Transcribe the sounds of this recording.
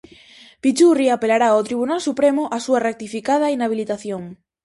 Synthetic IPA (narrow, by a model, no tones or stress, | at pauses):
pit͡ʃuriapelaɾaawt̪ɾiβunalsupɾemʊʔasuarek̚t̪ifikað̞ɐinaβ̞ilit̪aθjoŋ